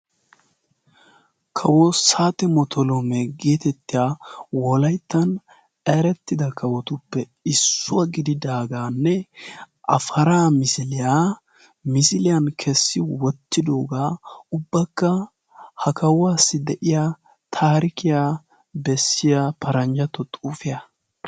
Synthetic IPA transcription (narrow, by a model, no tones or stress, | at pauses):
kʰɐwɔsaːt̪ɛmɔt̪ʰɔlomɛɡe̞ːt̪ɛt̪ːɪjawɔlɐjt̪ːɐn | eːɾɛt̪ːɪd̪ɐkʰɐwɔt̪ʊpːɛ | ɪsːʊɐɡɪd̪ɪd̪aːɡaːnːɛ | ʔɐ̰fɐɾaːmɪsɪlɪjaː | mɪsɪlɪjɐnkʰɛsːɪwɔt̪ːɪd̪oːɡaːʊbːɐkːɐ | hɐkɐwwaːsːɪd̪ɛʔɪja | t̪ʰaːɾɪkɪjaː | bɛsːɪjapʰɐɾɐnd͡ʒɐt̪ːɔt̪ʼuːfɪjɐ